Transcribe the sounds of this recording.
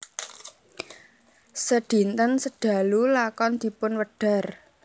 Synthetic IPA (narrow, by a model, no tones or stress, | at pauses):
səɖ̥i̤nt̪ənsəɖ̥ä̤lulakɔnd̪̥i̤pʊnwəɖ̥a̤r